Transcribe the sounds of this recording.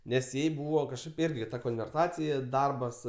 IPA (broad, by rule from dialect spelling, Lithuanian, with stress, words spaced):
ˈnʲɛs ˈjɛɪ ˈbuːʋɐ kɐʃˈkɐɪp ˈɪrʲɡʲɪ tɐ koːnʲʋʲɛrˈtɑːt͡sʲɪjɛ ˈdɐrbɐs